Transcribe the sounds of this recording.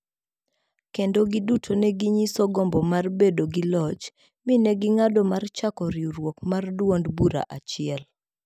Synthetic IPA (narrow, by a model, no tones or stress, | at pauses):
kendoɡidutʰonɛɡiɲisɔɡɔmbɔmarbedoɡɪlɔt͡ʃ | minɛɡɪŋadɔmart͡ʃakɔɾɪuɾwokmardwondbuɾa̰ʔat͡ʃɪɛl